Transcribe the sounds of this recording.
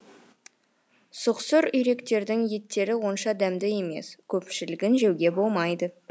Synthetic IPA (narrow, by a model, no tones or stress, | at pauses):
sʊqsʊɾʏjɾe̞kt̪e̞ɾd̪ɪŋje̞t̪ːe̞ɾɪwo̞nʃɑd̪æmd̪ɪje̞me̞̰skʲʰɵpʃɪlɪɡʲɪnʒe̞wɡʲe̞bo̞lˠmɑjd̪ə